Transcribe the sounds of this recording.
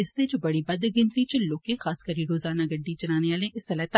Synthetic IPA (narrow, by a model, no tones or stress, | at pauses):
ɪsed͡ʒobɐɽibɐd̪ɡɪ̃nt̪ɾit͡ʃɐlːoːkẽxaːskɐɾiɾoːzaːnaɡɐɖːit͡ʃɐnaːneʋaːlẽʔɪst̪ɐlaːt̪